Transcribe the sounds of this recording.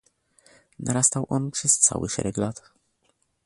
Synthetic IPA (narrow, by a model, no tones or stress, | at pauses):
naɾast̪awʔɔnpʂɛst̪sa̰wɘ̰ʂɛ̰ɾɛklat̪